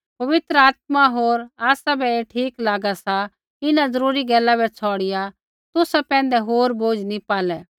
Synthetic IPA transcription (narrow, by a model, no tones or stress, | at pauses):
pɐʋɪt̪ɾəaːt̪̚maɦoːɾaːsabɛeʈʰiːklaːɡasa | ɪnãzɐɾuːɾiɡɛːlabɛt͡sʰɔːɽɪja | t̪ʊsapɛ̃ːnd̪ɛɦoːɾboːd͡ʒnipaːlɛː